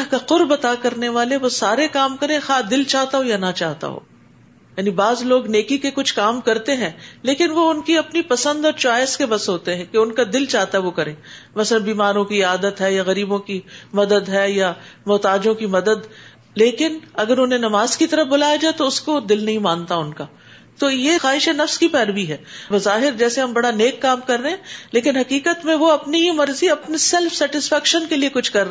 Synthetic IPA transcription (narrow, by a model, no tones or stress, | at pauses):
ɦkaqʊɾbɐt̪akɐɾneʋaːleʋosaːɾekaːmkɐɾẽxaːd̪ɪlt͡ʃaːɦt̪aɦojanɐt͡ʃaːɦt̪a̰ɦo̰ː | jaːnibaːzloːɡneːkikekʊt͡ʃʰkaːmkɐɾt̪eɦɛ̃ːleːkɪnʋoʊnkiɐpnipɐsə̃nd̪ɔːɾt͡ʃaːjskebɐsɦoːt̪eɦɛ̃keʊnkad̪ɪlt͡ʃaːɦt̪aɦɛʋokɐɾẽːmɐslɐbiːmaːɾõkiaːd̪ət̪ɦɛjaɣɐɾiːbõkimɐd̪əd̪ɦɛjamɔːt̪aːd͡ʒõkimɐd̪əd̪ | leːkɪnɐɡəɾʊnɦẽnɐmaːzkit̪ɐɾəfbʊlaːjad͡ʒaːet̪oʊskod̪ɪlnɐɦĩmãːnt̪aʊnkaː | t̪oːjexaːɦɪʃenɐfskipɛːɾbiɦɛːbɐzaːɦɪɾd͡ʒɛːseɦɐ̃mbɐɽaneːkːaːmkɐɾːeɦɛ̃leːkɪnɦɐkiːkət̪mẽʋoɐpniɦimɐɾziɐpnisɛlfsɛːʈɪsfɛːkʃənkeliekʊt͡ʃʰkɐɾː